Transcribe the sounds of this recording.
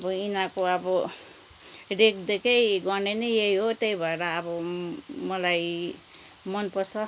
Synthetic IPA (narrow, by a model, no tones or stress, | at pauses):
bʌinakoʌbʌ | ɾekd̪ekejɡʌrnenʌjejɦot̪ejbʱʌeɾʌːbʌmʌlaj | mʌnpʌsʰʌ